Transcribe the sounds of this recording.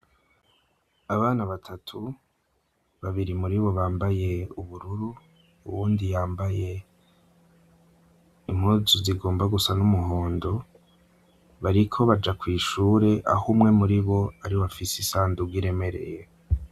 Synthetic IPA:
aβaːnaβatʰatʰu | βaβiɾimuɾiβo̞βaːmbaje̞uβuɾuɾu | uwuːndijaːmbaje̞ | im̥huːzuziɡoːmbaɡusanumuɦoːndo̞ | βaɾikʰo̞βad͡ʒakwiːʃuːɾe̞ʔa̰humŋe̞muɾiβo̞aɾioβafisisaːnduɡiɾe̞me̞ɾe̞̰je̞

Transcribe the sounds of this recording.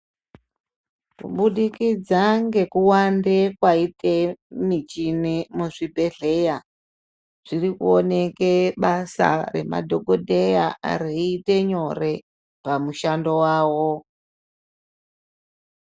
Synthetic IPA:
kṵɓuɗikid͡zaŋɡe̞kuwandekwaite̞mit͡ʃinemuʐibʱe̞ɮe̞ja | ʐ̥irikuone̞ke̞ɓasa̰re̞̰ma̰dʱo̞ɡʱodʱejaa̰ɾeite̞ɲo̞re̞ | pamuʃando̞waːwo

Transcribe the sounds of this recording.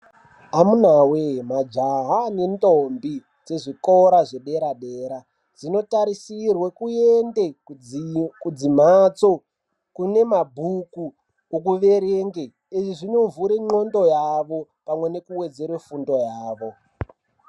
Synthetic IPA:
amunawemad͡ʒaɦaːne̞ntʼombi | d͡ze̞ʐiko̞ɾaʐeɗe̞ɾaɗe̞ːɾa | d͡zino̞taɾisirwekuende | kud͡zim̤at͡so̞ | kune̞mabʱuku | okuʋe̞ɾeŋɡe | eʐiʐino̞vuɾeŋ͡ǃo̞ndo̞jaʋo̞ | pamwe̞ne̞kuwe̞d͡ze̞rwefundo̞jaːʋo̞

